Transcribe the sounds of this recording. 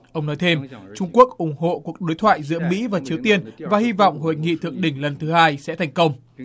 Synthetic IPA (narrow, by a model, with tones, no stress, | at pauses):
ʔə˧wŋ͡mnɔ˨˦jt̪ʰe˧mt͡ɕʊ˧ŋ͡mku˦˥ək̚ʔʊ˧˩ŋ͡mho̰˧˨ku˨˩ək̚ɗo˨˦jt̪ʰwaː˧˨jzɨ̰˧˥əmḭ˧˥vaː˨˩t͡ɕi˨˦əwt̪i˧ənvaː˨˩hi˧vɔ̰˧˨wŋ͡mho̰˧˨jŋḭ˧˨t̪ʰɨ˨˩əŋ̚ɗï˧˩ŋ̟lə˨˩nt̪ʰɨ˨˦haː˧jsɛ̰˧˥t̪ʰɛ˨˩jŋ̟kə˧wŋ͡m